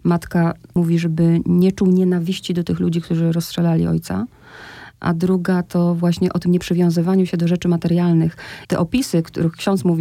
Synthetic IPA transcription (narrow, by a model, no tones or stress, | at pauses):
mat̪kamuvʲiʐɛbɘɲɛt͡ʂuwɲɛnavʲiɕt͡ɕid̪ɔt̪ɘxlud͡ʑikt̪uʐɘɾɔstʂɛlalʲḭɔ̰jt̪sa̰ | ʔa̰d̪ɾuɡat̪ɔvwaɕɲɛʔɔt̪ɘmɲɛpʂɘvʲjɔ̃w̃zɘvaɲuɕɛd̪ɔʐɛt͡ʂɘmat̪ɛɾjalnɘxt̪ɛ̰ʔɔpʲisɘkt̪ṵɾɘxkʃɕɔ̃nt̪smuvʲi